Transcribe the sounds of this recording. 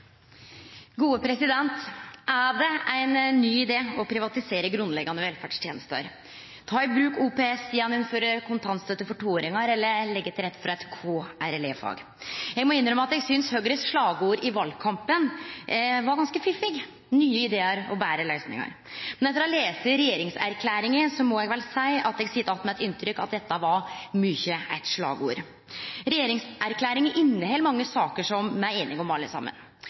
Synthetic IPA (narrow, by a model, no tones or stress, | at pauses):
ɡuːəpʰɾɛsɪd̪ɛnt̪ʔæɖɛʔæɪnːyːɪd̪eːɔpʰɾɪʋɑt̪ɪseːɾəɡɾʉnlɛɡɑnəʋɛlfæɖʂt̪ʰjeːnəst̪ə̰ɾ | t̪ʰɑːɪbɾʉːkuːpeːɛsjɛnːʊnføɾəkʰʊnt̪ʰɑnst̪ət̪əfɔʈʰuːoːɾɪŋɑɾɛlːəɾlɛɡːət̪ʰɾɛt̪ːfɔɾɑɛt̪kʰoːæɾɛlḛːfɑ̰ːɡ | jɛɡmɔɪnːɾəmɑt̪ɛɡsʏnshøɡɾəsʂɭɑːɡəuːɾɪʋɑlkʰɑmpən | ʋɑɾɡɑnskəfɪfːɪɡ | nyːəɪd̪eːəɾɔbæːɾəlœʏsnɪ̰ŋə̰ɾ | mɛnɛt̪əɾɛleːsəɾɛjeːɾɪŋsæ̰ɾkʰlæːɾɪŋəsɔmɔɛɡʋɛlsæɪɑt̪ɛɡsɪt̪ːɑt̪mɛɛt̪ɪnt̪ɾʏkːɑ̰t̪̚d̪ɛt̪ːəʋɑɾmyçəæɪt̪ʂlɑ̰ːɡṵːɾ | ɾɛjeːɾɪŋsʔæɾkʰlæːɾɪŋəʔɪnːəhɛlmɑŋːəsɑːkəʂɔmmæɪeːnɪɡɔmɑlːə̰sɑ̰mːə̰n